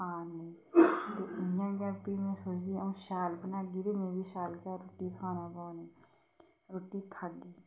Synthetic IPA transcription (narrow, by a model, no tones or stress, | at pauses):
ãːnəĩ | t̪eɪjãːkjaːɾpiːmẽːsoːt͡ʃd̪iũːʃaːlbənaːɡiɾemẽːbiːʃaːlkaːɾoːʈiːkʰaːnaːbaːneː | ɾoːʈiːkʰaɡiː